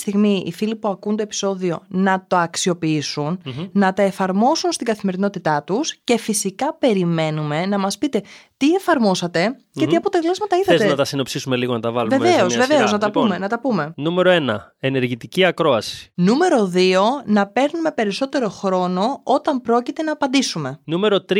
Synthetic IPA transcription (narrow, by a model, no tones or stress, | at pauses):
st̪iɣmiḭfilipuɐkunt̪o̞epi̥so̞ðio̞nɐt̪o̞ɐksio̞piisunːɐt̪ɐe̞fɐɾmo̞sunst̪iŋɡɐθime̞ɾino̞t̪it̪ɐt̪usce̞fisikɐpe̞ɾime̞nume̞nɐmɐspit̪e̞t̪ie̞fɐɾmo̞sɐt̪e̞cet̪iɐpo̞t̪elɐzmɐt̪ɐiθɐet̪enɐt̪ɐsinopsisumeliɣonɐt̪ɐvɐluvemveozve̞ve̞o̞znɐt̪ɐpume̞nɐt̪ɐpume̞nume̞ɾo̞e̞nɐene̞ɾʝit̪iciɐkɾo̞ɐsi̥nume̞ɾo̞ðio̞nɐpe̞ɾnume̞pe̞ɾiso̞t̪e̞ɾo̞xɾo̞no̞o̞t̪ɐmpɾo̞cit̪e̞nɐːpɐnd̪isume̞nume̞ɾo̞t̪ɾ